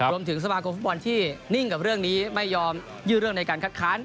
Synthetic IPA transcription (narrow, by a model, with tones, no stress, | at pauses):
u˧əmt̪ʰɯ˩˦ŋs̬a˧maː˧kʰo˧mfu˥t̚bɔ˧nt̪ʰiː˥˩ni˥˩ŋka˨˩p̚ɾɯ˥˩əŋniː˦˥ma˥˩jːɔː˧m | jɯː˥˩ɾɯ˥˩əŋna˧jkaː˧nkʰa˦˥t̪̚kʰaː˦˥n